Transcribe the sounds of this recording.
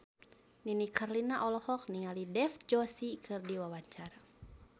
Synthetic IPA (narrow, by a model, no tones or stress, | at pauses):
ninikʰarlinaʔɔlɔhɔk̚niŋalidɛfd͡ʒɔsikʰɨrdiwawaɲt͡ʃaɾa